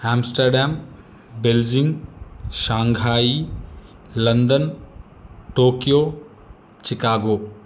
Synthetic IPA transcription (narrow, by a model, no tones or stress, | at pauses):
aːmsʈəɾɖaːm | beld͡ʒɪŋɡʃãːŋɡʱaːi | lɐnd̪ən | ʈoːkijoː | t͡ʃɪkaːɡoː